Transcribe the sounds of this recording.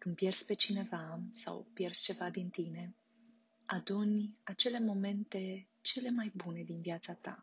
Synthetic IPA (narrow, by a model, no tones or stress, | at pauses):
kɨnpje̞rspe̞t͡ʃine̞vasa̰wpje̞rst͡ʃe̞vad̪int̪ine̞ | ad̪unʲat͡ʃe̞le̞mo̞me̞nt̪e̞ | t͡ʃe̞le̞majbune̞d̪inviat̪sat̪a̰